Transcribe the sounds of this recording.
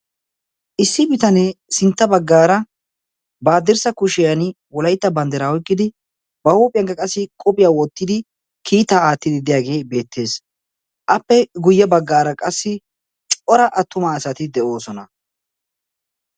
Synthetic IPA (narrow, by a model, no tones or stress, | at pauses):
ʔɪsːɪbɪt̪ɐnesɪnt̪ːɐbɐɡːaːɾɐ | baːd̪ɪɾsɐkʊʃɪjɐnɪ | wɔlɐjt̪ːɐbɐnd̪ɛɾaːwɔjkʼːɪd̪ɪ | bɐhuːpʼɪjɐŋkːɐkʼɐsːɪkʼɔpʼɪjaːwɔt̪ːɪd̪ɪ | kʰiːt̪aːaːt̪ːɪd̪ɪd̪ɪjaːɡe̞ːbe̞ːt̪ːe̞ːs | ʔɐpːɛɡʊjːɛbɐɡːaːɾɐkʼɐsːɪ | t͡ʃʼɔɾɐʔɐt̪ːʊmɐːsɐt̪ɪd̪ɛʔo̞ːsɔnɐ